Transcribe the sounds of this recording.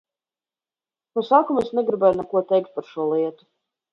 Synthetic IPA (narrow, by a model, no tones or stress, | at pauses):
nusaːkumesnɛɡɾibɛjnɛkuɔt̪ɛjk̚t̪̚paɾʃuɔlˠiɛt̪u̥